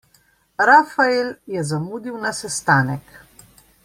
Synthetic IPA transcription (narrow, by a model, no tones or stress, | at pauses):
ɾafaeljɛzamuːd̪iwnasɛst̪aːnɛk